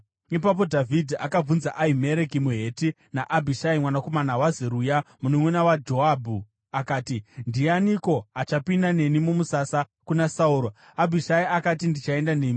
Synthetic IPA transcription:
ipap̬o̞dʱavʱidʱiʔakab͡vunzaʔaime̞ɾe̞kimuɦe̞ːti | naʔabʱiʃaimwanako̞manawazeɾujamunomwenawad͡ʒo̞aːbʱu | akaːtindianiko̞at͡ʃapindane̞nimumusasa | kunasauːɾo | abʱiʃaiakatindit͡ʃae̞ndaneːmi

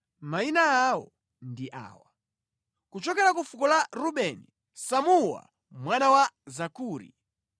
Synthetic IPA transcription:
mainaaːwɔ̰ | ndiʔa̰ːwa | kut͡ʃɔkɛɾakufukɔlaɾuɓɛni | samuwa̰ | mwanawazakuːɾḭ

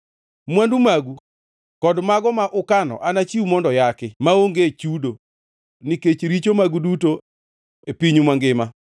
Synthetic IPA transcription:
mwandumaɡu | kɔdmaɡɔmaʔʊkanɔ̰ʔanat͡ʃiumɔndɔjakɪmaoŋɡet͡ʃudo | niket͡ʃɾit͡ʃomaɡuduto | epiɲumaŋɡɪma

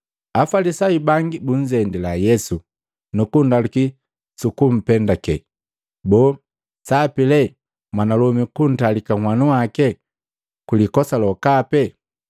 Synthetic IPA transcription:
afalisaibaŋɡibun̩d͡ʒɛndilajɛsu | nukundaluki | sukum̩pɛndakɛ | bɔː | sapilɛ | mwanalɔmikun̩talikaŋwanuwakɛ | kulikɔsalɔkapɛ

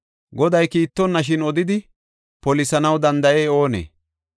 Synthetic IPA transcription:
ɡɔd̪ɐjkiːt̪ːɔnːɐʃ̬ɪnɔd̪ɪd̪ɪ | pɔlɪsɐnɐwd̪ɐnd̪ɐʔeːo̞ːnḛː

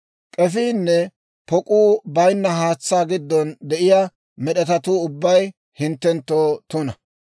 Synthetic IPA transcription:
kʼɛfiːnːɛ | pɔkʼuːbɐjnːɐɦaːt͡sːaːɡɪd̪ːɔnd̪ɛʔɪjaː | mɛɗɛt̪ɐt̪uːʊbːɐj | hɪnt̪ːɛnt̪ːoːt̪ʊnɐ

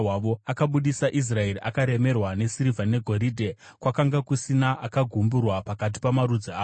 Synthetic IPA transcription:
waʋo̞akaɓuɗisaʔis̬rae̞riʔakaɾe̞me̞rwane̞siɾivanne̞ɡʱo̞ɾiːdʱe̞ | kwakaŋɡakusinaʔakaɡʱumburwapakat̬i̥pamaɾud͡ziaː

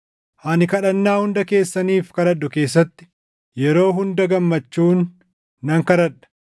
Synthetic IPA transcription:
hɐnɪkɐᶑɐnːaːhʊnd̪ɐke̞ːsːɐniːfkɐɾɐᶑʊke̞ːs̬ːɐt̪ːɪ̥ | jɛɾo̞ːɦʊnd̪ɐɡɐmːɐt͡ʃːuːnː | ɐŋkɐɾɐᶑɐ̥

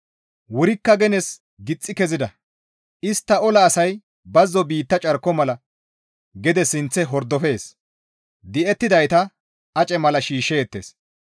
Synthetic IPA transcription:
wʊɾɪkːɐɡɛnɛs | ɡɪt͡sʼːɪkɛzɪd̪ɐ | ʔɪst̪ːɐɔlɐːsɐj | bɐzːɔbiːt̪ːɐt͡ʃʼɐɾkːɔmɐlɐ | ɡɛd̪ɛsɪnt͡sːɛɦɔɾd̪ɔfe̞ːs | d̪ɪɛt̪ːɪd̪ɐjt̪ɐ | ɐt͡ʃʼɛmɐlɐʃiːʃeːt̪ːḛːs

